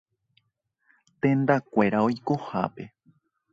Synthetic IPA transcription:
t̪ẽ̞nd̪akʷe̞ɾao̞jko̞ha̰pe̞

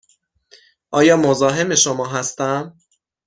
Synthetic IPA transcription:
ʔɒːjɒːmozɒːɦe̞me̞ʃomɒːɦæst̪æm

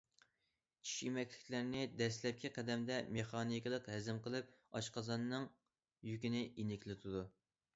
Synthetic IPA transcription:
t͡ʃʰi̥ʃimɛkʲʰlɪ̥kʲlæɾnɪd̪ɛslɛp̚kʲʰiqʰɛd̪ɛmd̪ɛmeχɑːnikʲɨlˠəqɦɛzɪmqəlˠɨp̚ɑʃqʰɑzɑnːɨŋ | jykʲinɪinɪkʲlɪt̪ʰud̪u

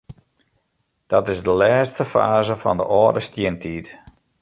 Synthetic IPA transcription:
d̥ɔtɪzdəlɛːstəfa̰ːzəfɔ̰ndə̰ʔɔədəstjɪntʰiːt

